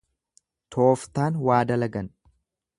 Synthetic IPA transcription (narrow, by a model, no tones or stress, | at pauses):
t̪ʰoːft̪aːnwaːd̪ɐlɐɡɐn